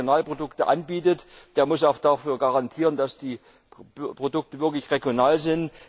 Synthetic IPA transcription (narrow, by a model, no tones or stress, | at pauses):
jonaːlpʁ̥odʊktəʔa̰nbiːtətd̥eːɐmʊsaʊxd̥aːfyːɐɡaʁantʰiːʁ̞ənd̥asd̥iː | pʁ̥odʊk̚təvɪɐklɪçʁeɡjonaːlzɪnt